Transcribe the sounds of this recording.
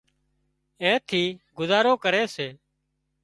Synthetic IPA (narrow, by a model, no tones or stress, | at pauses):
ẽːt̪ʰiːɡʊzaːɾoːkəɾeːseː